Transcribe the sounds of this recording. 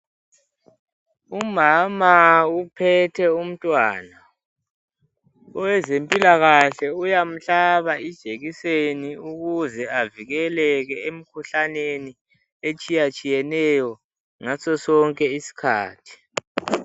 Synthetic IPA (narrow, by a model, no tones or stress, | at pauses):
umamaupʰɛtʰɛum̩tʼwaːna | ɔwɛzempʼilaɣaɬɛujam̩ɬaβaid̥ʒ̥ʱeɣiseniuɣuzɛaviɣɛlɛɣɛem̩kʰuɬaneni | et͡ʃʼijat͡ʃʼijɛnɛjɔ | ŋasɔsɔŋkʼɛisi̥kʰa̰ːtʰi̥